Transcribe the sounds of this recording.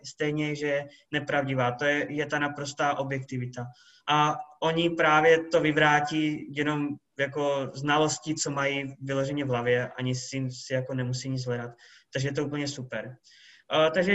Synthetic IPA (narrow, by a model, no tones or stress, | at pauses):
st̪ɛjɲɛʒɛɛ | nɛpɾavɟɪvaːt̪o̞jɛjɛt̪anapɾo̞st̪aːʔo̞bjɛkt̪ɪvɪt̪a | ʔaʔo̞ɲɪpɾaːvjɛt̪o̞vɪvɾaːciːjɛno̞m | jako̞znalo̞scit͡so̞majivɪlo̞ʒɛɲɛvɦlavjɛʔa̰ɲɪsɪsɪjako̞nɛmusiɲɪt͡szɦlɛdat̪ | t̪ːaɡʒɛjɛt̪ouːpl̩ɲɛsupɛɾ | t̪aɡʒɛ